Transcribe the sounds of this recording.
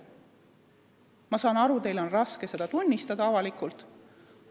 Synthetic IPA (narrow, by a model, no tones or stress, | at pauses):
mɑsɑːnɑɾut̪e̞jlo̞nrɑske̞se̞d̪̥ɑt̪unʲːist̪ɑd̪ɑɑvɑlikult̪